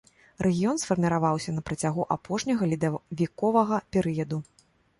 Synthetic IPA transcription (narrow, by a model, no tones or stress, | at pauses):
rʔɛɣʲijɔnsfɐrmʲiɾavawsʲɐnɐpɾɐt͡sʲaɣuʔapɔʂnʲɐɣɐlʲid̪ɐvʲikɔvɐɣɐpʲɛɾɨjɐd̪u